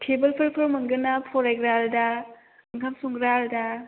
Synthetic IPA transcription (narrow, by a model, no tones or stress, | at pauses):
kʰebɯlpʰɯɾpʰɯɾmɯŋɡɯnapʰɔɾeɡɾalda | ɯŋkʰamsɔŋɡɾalda